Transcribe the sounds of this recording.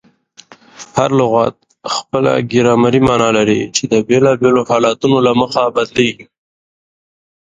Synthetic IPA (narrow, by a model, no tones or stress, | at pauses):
haɾlʊɣɑt̪̚ | xpəla̰ɡɪɾɑmaɾimɑnɑlaɾit͡ʃed̪əbelɑbelohɑlɑt̪unolaməxabad̪leɡi